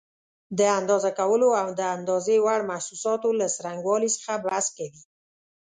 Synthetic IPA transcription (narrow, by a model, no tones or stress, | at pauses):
d̪əand̪ɑzakawəloawd̪əand̪ɑzewaɽmahsusɑt̪olasɾaŋɡwɑlisə̥xabaskawi